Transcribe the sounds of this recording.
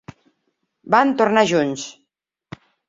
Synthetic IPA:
bant̪oɾnaʒuns

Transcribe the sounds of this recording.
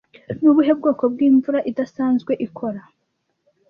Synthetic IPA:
nuβuɦe̞b̚ɡoːko̞b̚ɡiːɱvuɾaʔidasaːnzɡwe̞ʔikʰo̞ɾa

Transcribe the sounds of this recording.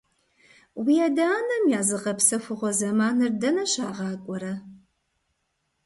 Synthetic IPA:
wijɛdaːnɐmjaːzɨqɐpsɐfʊʁʷɔzɐmaːnɨrdɐnɐɕaːʁɑːkʷʼɔɾɐ

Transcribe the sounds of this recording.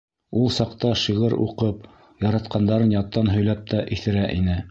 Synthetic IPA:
ulˠsɑqt̪ɑʃiʁɤɾṵqɤp | jɑɾɑt̪qɑnd̪ɑɾɤnjɑt̪ːɑnɦɵ̆jlæp̚t̪æʔiθɘ̆ɾæʔinɘ

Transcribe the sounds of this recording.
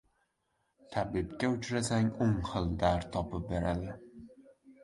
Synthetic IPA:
t̪ʰabɪbkʲaʊt͡ʃʰɾasaŋʊŋχɨlˠd̪aɾt̪ʰɒpʰɪp̚be̞ɾad̪ɪ

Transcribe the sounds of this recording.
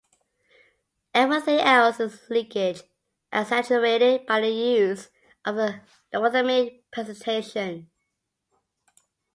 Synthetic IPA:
ɛvɹiθɪ̃ŋɛlˠsɪzlɪ̃kɪd͡ʒ | ʔəsæt͡ʃəɹeɪɾɪd̚baɪðəjʉz | ʔʌvðə | dəθəmipʰɹ̥ɛzə̃ntʰeɪʃə̃n

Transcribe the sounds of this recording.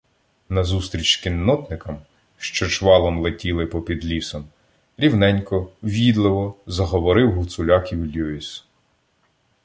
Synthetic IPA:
nɐzust̪ɾʲit͡ʃkʲinːɔt̪nɪkɐm | ʃt͡ʃɔt͡ʃʋɑlˠɔmlˠetʲilˠɪpɔpʲid̪lʲisɐm | ɾʲiwnɛnʲkɔʋʲid̪lˠɪʋɔzɐɦɔʋɔɾɪwɦʊt̪sʊlʲɑkʲiwlʲuis

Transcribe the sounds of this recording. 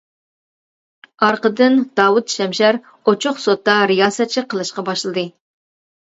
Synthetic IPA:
ɑɾqəd̪ɨnd̪̥ɑːwut̪ʃɛmʃæɾ | ot͡ʃʰʊqsot̪ːɑɾɪjɑːsɑt͡ʃʰiqʰəlˠɨʃqɑbɑʃlˠɨd̪ɨ

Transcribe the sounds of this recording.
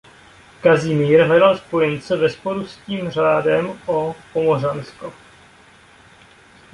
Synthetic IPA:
kazɪmiːɾɦlɛdalspo̞jɛnt͡sɛvɛspo̞ɾusciːmr̝aːdɛmopomoransko

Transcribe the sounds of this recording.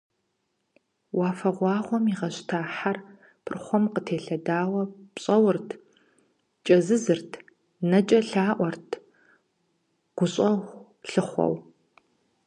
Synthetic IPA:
waːfɐʁʷɑːʁʷɔmiʁɐɕtʰaːħar | pʰɨrχʷɔmqətʰeːɬɐdaːwɐpɕʼɐwʊrtʰ | t͡ʃʼɐzɨzɨrtʰ | nɐt͡ʃʼɐɬaːʔʷɔrtʰ | ɡ̥ʷʊɕʼɐʁ | ɬɨχʷɔ̰w

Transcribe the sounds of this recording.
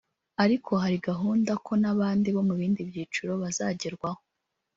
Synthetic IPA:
aɾikʰo̞haɾiɡaɦuːndakʰo̞naβaːndiβo̞muβiːndibjiːt͡ʃuɾo̞βazaɟiɾɡwaho

